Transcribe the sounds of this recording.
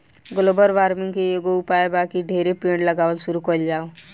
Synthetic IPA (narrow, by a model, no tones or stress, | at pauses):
ɡəloːbəɾʋaːɾmɪ̃ŋɡkejeɡoʊpaːebaːkiɖʱeːɾepẽːɳɽləɡaːʋəlsʊɾukəld͡ʒaːo